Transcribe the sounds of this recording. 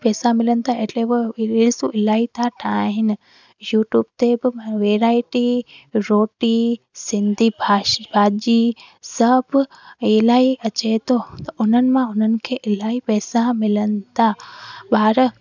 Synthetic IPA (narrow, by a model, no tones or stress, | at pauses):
pɛːsamɪlənɪ̆t̪ʰaeʈleoɪlsuʔɪlaːit̪ʰaʈʰaɦɪnɪ̆ | juːʈjuːbt̪ebɪʋeːɾaːɪʈiɾoːʈi | sɪ̃nd̪ʱibabʱaːd͡ʑi | sɐbʱelaːiɐt͡ɕet̪ʰot̪ɐʔʊn̤ənɪ̆mãʊn̤ənɪ̆kʰeːʔɪlaːipɛːsamɪlənɪ̆t̪ʰaɓaːɾə